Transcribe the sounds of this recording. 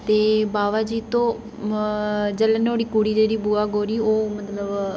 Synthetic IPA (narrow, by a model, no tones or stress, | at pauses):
t̪eːbaːʋaːd͡ʒiːt̪õː | d͡ʒələnoːɽiːkuːɽiːd͡ʒeːɾiːbuːaːɡoːɾiːoːmət̪ləb